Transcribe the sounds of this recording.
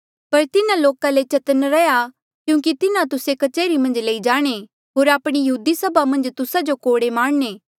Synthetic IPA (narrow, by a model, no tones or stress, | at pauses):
pɐɾt̪ɪnãloːkalet͡ʃɐt̪ənɾɛja | kjũːk̬it̪ɪnãt̪ʊsekɐt͡ʃeːɾimɐ̃nd͡ʒleid͡ʒaːɽ̃e | ɦoːɾaːpɽ̃ijɐɦuːd̪isɐbʱamɐ̃nd͡ʒt̪ʊsad͡ʒokoːɽemãːɽneː